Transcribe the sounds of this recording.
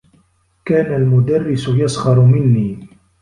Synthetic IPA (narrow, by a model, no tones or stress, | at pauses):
kaːnalmʊd̪arːɪsʊjɑsˤɣɑɾˤʊmɪnːiː